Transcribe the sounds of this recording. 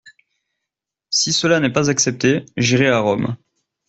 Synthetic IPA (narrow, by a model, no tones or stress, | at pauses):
sisəlanɛpazaksɛp̚t̪eʒiʁeaʁɔm